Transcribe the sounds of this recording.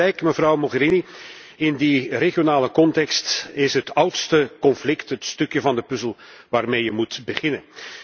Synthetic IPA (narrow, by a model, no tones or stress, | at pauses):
ɛjkməvrɑwmoɣəɾini | ɪndireχijonaːləkɔntɛkstɪsɦətʌwtstəkɔnflɪktɦətstɵkjəvɑndəpɵzəlˠʋaːrmeːjəmutbəχɪnən